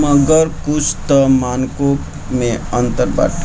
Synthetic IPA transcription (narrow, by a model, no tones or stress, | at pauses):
məɡəɾkusʰt̪əmaːnkok | mẽə̃nt̪əɾba̰ːʈ